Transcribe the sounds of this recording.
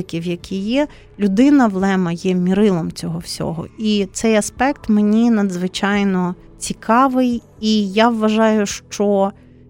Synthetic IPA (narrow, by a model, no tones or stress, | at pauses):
kʲiwjɐkʲʰijɛ | lʲʊd̪ɪnɐʋlˠɛmɐjɛmʲiɾɪlˠɔmt͡sʲɔɦɔwsʲɔ̰ɦɔ̰it̪sɛjɐspɛkt̪menʲinɐd̪zʋɪt͡ʃɑjnɔ | t͡sʲikʰɑʋɪj | ijaʋːɐʒɑjʊʃt͡ʃɔ